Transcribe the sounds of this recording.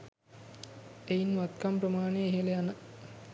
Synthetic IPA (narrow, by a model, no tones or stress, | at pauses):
ejinʋat̪kamprəmaːneɦelejanə